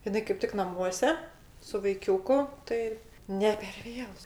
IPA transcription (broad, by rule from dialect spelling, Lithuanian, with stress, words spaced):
ɪˈnɐɪ kɐɪp ˈtʲɪk nɐˈmuɔsʲɛ sʊ ʋɐɪˈkʲuːkʊ ˈtɐɪ nʲɛ pʲɛr ˈʋʲeːlˠʊ